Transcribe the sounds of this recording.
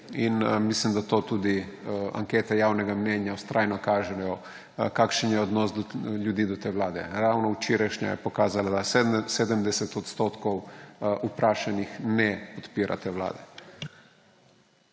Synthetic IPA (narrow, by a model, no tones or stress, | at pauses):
inmislimd̪at̪oːt̪uːd̪ia̰ŋkeːt̪ɛjaːwnɛɡamnɛnjaust̪ɾʔaːjnɔkaːʒɛjɔ | kaːkʃənjɛɔd̪nɔsd̪ɔljud̪iːd̪ɔt̪eːʋlaːd̪ɛ̰ɾawnɔut͡ʃiːɾaʃɲa̰jɛ̰pɔkaːzalad̪aseːd̪əmd̪ɛsɛt̪ɔt̪st̪oːt̪kɔwupɾʔaːʃanixnɛpɔt̪piːɾʔa̰t̪ewla̰ːd̪ɛ